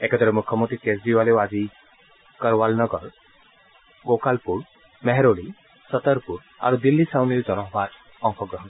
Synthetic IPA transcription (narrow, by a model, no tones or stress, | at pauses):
ekʰed̪ʰɔɾemukʰːɔmɔnt̪ɾikesdiwalewad͡ʒi | kəɾwalnɔɡɔɾ | ɡokalpuɾ | meɦɛɾoli | sət̪əɾpuɾ | a̰ɾud̪ilːisawniɾd͡ʒɔnɔɦbʱat | ɔŋkʰɔɡɾɔɦɔn